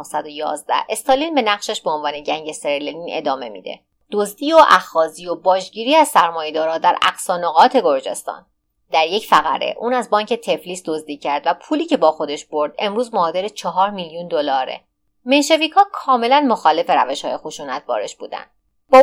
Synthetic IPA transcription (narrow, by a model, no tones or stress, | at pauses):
hsæd̪ojɒ̰ːzd̪æ̰hʔe̞st̪ʰɑlinbe̞næɣʃeʃbeonvɒːne̞ɟæŋɟe̞seɾeleline̞̰d̪ɒːme̞mḭːd̪e̞̰ | d̪̥ozd̪iːoʔæxɒːzijobɒːʒɟiːɾiːæzsæɾmɒːje̞d̪ɒːɾɒːd̪æɾæ̰ɡsɒːnoɣɒːt̪ʰeɡo̞ɾd͡ʒe̞̰st̪ɒ̰ːn | d̪̥æɾjecfæɣæ̰ɾe̞̰ʔuːnæzbɒːɲcʰe̞t̪ʰeflisd̪o̞zd̪iːcʰæɾd̪væpʰuːliːce̞bɒːxo̞d̪e̞ʃb̥o̞ɾd̪̥e̞mɾuːzmɒːd̪eɾet͡ʃʰɒɦɒːɾmiljund̪olɒːɾḛ | me̞nʃe̞viːkʰhɒːkʰɒːme̞lænmoxɒːle̞fe̞ɾæveʃhɒ̰ːje̞xoʃuːnæt̪̚ʰbɒ̰ːɾeʃbṵːd̪æ̰nd̪̥ | bɒː